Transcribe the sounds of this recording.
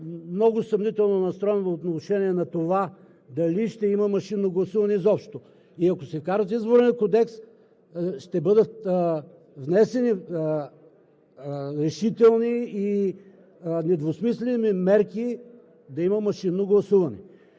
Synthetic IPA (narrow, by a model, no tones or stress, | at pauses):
mnɔɡʊsɐmnit̪ɛlˠnonɐst̪ɾɔjɛnoot̪nɐɾʊʃɛniɛnɐt̪ova | d̪ɐliʃt̪ɛimɐmɐʃinːoɡlˠɐsuvɐnɛzɔpʃt̪o | iɐkosɛkaɾət̪izboɾniɐkod̪ɛks | ʃt̪ɛbɤd̪ət̪ | vnɛsɛni | ɾɛʃit̪ɛlˠniː | nɛd̪vosmislɛnimɛɾki | d̪ɐimɐmɐʃinːoɡlˠɐsuvɐnɛ